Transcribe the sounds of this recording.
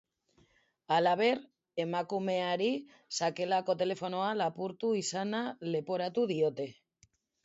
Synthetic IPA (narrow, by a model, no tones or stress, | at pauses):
alaβ̞e̞ɾ | e̞makume̞aɾi | sake̞lako̞t̪e̞le̞fo̞noalapuɾt̪uisanale̞po̞ɾat̪uðiot̪e̞